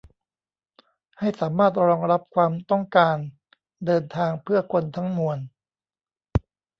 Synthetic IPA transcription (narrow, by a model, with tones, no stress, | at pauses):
ha˥˩jsaː˩˦maː˥˩t̪̚ɾɔː˧ŋɾa˦˥p̚kʰwaː˧mt̪ɔ˥˩ŋkaː˧n | dɤː˧nt̪ʰaː˧ŋpʰɯ˥˩ɐkʰo˧nt̪ʰa˦˥ŋmu˧ən